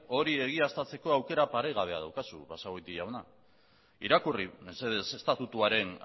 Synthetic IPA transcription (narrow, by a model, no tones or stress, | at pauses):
o̞ɾie̞ɣ̞iast̪at͡se̞ko̞awke̞ɾapaɾejɣ̞aβ̞e̞a̰ð̞awkasṵβasaojt̪iʝawna | iɾakurimenseðese̞st̪at̪ut̪uaɾe̞n